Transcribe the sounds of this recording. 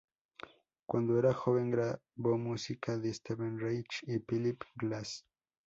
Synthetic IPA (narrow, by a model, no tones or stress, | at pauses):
kwand̪oe̞ɾaxo̞βe̞ŋɡɾaβo̞musikʰaðest̪eβenrejt͡ʃifilipɡlas